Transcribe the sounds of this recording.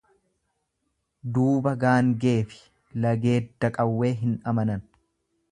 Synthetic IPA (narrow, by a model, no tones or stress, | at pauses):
d̪uːbɐɡaːŋɡe̞ːfɪ̥ | lɐɡe̞ːd̪ːɐkʼɐwːe̞ːɦɪnɐmɐnɐn